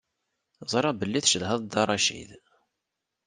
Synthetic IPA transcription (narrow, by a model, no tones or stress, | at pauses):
zˤɾˤɑbəlːiθʃəðhəðˤd̪ɑɾˤɑʃḭð